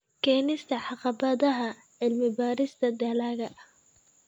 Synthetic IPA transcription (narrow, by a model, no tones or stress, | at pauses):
kʰɛːnɪst̪ʰɐħɑqɑbɐðɐɦɐ | ʕɪlmɪbaːɾɪst̪ʰɐd̪aːlaːɣɐʔ